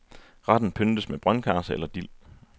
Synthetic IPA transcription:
ʁɑd̥n̩pʰønd̥əsmeb̥ʁɶnkʰæːsəelɐd̥il̰

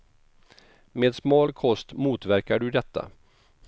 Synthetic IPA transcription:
meːd̪smɑːlkʰɔst̪muːt̪væɾkaɖɵd̪ɛt̪ʰːa̰

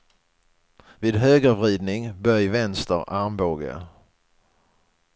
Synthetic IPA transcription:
vɪːd̪ɦøːɡəvɾiːd̪nɪŋbœjvɛnst̪ə̰ɾaɾmboːɡə̰

